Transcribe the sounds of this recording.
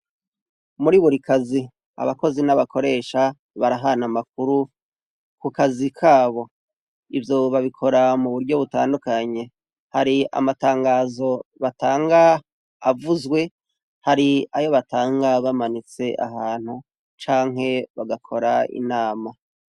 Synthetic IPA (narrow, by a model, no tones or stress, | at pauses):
muɾiːβoɾikʰazi | a̰βako̞zinaβako̞ɾe̞ːʃa | βaɾaɦanamak̚uɾu | kukazikʰaːβo̞ | ivjo̞βaβikʰo̞ɾamuβuɾɟo̞βutaːndukaɲe̞ | haɾia̰mataːŋɡaːzo̞βataːŋɡaː | vuzwe̞ | haɾiajo̞βataːŋɡaβamanit͡se̞ʔa̰ɦaːn̥hu | t͡ʃaːŋɦe̞βaɡakʰo̞ɾaḭnaːma